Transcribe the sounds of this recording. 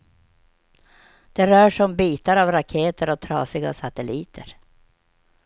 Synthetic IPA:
d̪̥ɛɾœːʂɔmbiːt̪aɾavɾakʰeːt̪ʰəɾɔt̪ʰɾɑ̰ːsɪɡa̰sat̪ɛliːt̪ʰəɾ

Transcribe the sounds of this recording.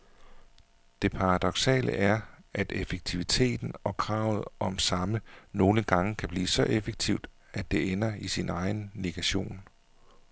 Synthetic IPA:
d̥e̝pʰɑ̈ʁɑd̥ɒ̽ɡ̥sɛ̰ːlʔə̰ʔæɐʔæd̥efəɡ̥̚t͡sʰiʋit͡sʰe̝̰ːd̥n̩ɒ̽kʰʁɑ̰̈ːʊð̞̩ˠʔɒ̽msɑ̈məno̝ːləɡ̥ɑ̈ŋəkʰæb̥liːsɒ̽ʔefəɡ̥̚t͡sʰiʊ̰d̥ | æd̥e̝enɐisinɑ̈ɪnle̝ɡ̥æɕo̝̰ːn

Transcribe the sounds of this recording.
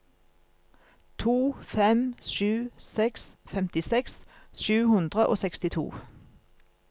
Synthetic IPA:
t̪ʰuːfɛmʃʉːsɛksfɛmt̪ɪsɛksʃʉːhʉnd̪ʁəʔo̰ːsɛkst̪ɪt̪ʰṵː

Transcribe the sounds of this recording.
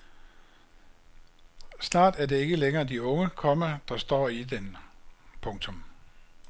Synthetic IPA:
snɑ̰̈ːd̥æɐde̝e̝ɡ̥əleŋɐːd̥iɔ̽ŋəkʰɒ̽mæd̥ɑ̈sd̥ɒ̰ːid̥enpʰɔ̽ŋt͡sʰɔ̽m

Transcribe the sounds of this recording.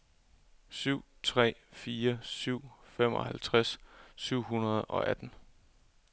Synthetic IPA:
syʊ̰t͡sʰʁɛ̰ːfiːɐsyʊ̰fem̰ɒ̽hælt͡sʰʁassyʊ̰ɦunɐð̞̩ˠɒ̽ʔæd̥n̩

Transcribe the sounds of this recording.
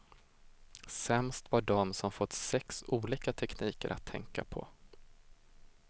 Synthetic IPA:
sɛmst̪vaɖɔmsɔmfɔt̪ːsɛksuːliːkat̪ʰɛkniːkə̰ɾʔa̰t̪ʰːɛŋkapʰɔ̰

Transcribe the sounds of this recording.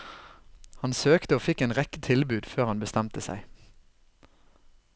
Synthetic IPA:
hɑnsøːkt̪əoːfɪkeːnʁɛkət̪ʰɪlbʉːd̪føːʁhɑnbəst̪ɛmt̪əsæ̰ɪ

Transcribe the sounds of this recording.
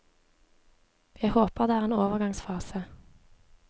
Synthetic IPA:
ʋehoːpəʁd̪eːæːʁeːnoːʋəʁɡɑŋsfɑːsə

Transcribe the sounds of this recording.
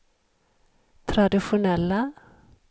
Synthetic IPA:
t̪ʰɾad̪ɪɧʊnɛlːa

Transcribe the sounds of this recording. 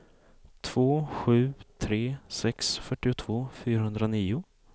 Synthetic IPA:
t̪ʰv̥oːɧʉ̟ːt̪ʰɾeːsɛksfœʈːɪʊt̪ʰv̥oːfyːɾaɦɵnd̪ɾoniːʊ

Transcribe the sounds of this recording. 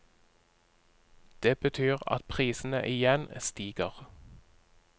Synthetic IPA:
d̪̥eːbət̪ʰyːʁɑ̰t̪̚pʰʁiːsn̩ə̰ʔɪjɛnst̪iːɡ̥əʁ

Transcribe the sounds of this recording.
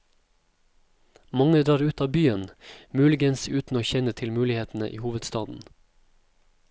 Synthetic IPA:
mɑŋəd̪ɾɑːɾʉːt̪ɑːbyːənmʉːlɪɡənsʉːt̪n̩oːçɛnət̪ʰɪlmʉːlɪheːt̪n̩ə̰ʔḭːhuːʋəd̪st̪ɑːd̪n̩

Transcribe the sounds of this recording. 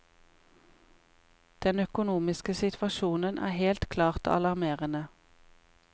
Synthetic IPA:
d̪̥ɛnœkʊnuːmɪskəsɪt̪ʰʋɑʃuːnənʔæ̰ːheːlt̪kʰlɑːʁt̪ɑ̰lɑʁmeːʁənə

